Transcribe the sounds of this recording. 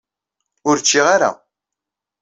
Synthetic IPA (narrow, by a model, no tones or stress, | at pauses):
ʊɾt͡ʃːiʁaɾa̰